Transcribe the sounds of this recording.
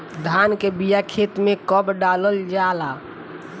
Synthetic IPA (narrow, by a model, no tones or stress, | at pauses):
d̪ʱaːnkebijakʰeːt̪mẽkəbɖaːləld͡ʒaːlaː